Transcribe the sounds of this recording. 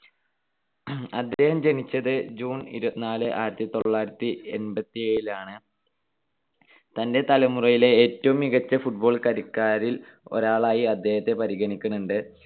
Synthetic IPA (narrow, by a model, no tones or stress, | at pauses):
ɐd̪ːe̞ːhɐmd͡ʑe̞nit͡ɕːɐðɨd͡ʑuːnḭɾubɐt̪ːinaːlɨʔa̰ːiɾɐt̪ːit̪oɭːaːjiɾɐt̪ːie̞nbɐt̪ːieɻilaːɳɨ | t̪ɐnde̞t̪ɐlɐmurɐjile̞eːtːɐʋumiɣɐt͡ɕːɐfuʈ̚bo̞ːɭkɐɾikːaːɾilo̞̰ɾaːɭaːjiɐd̪ʱːe̞ːhɐt̪ːe̞pɐɾiɣɐnikʲːunːuɳɖɨ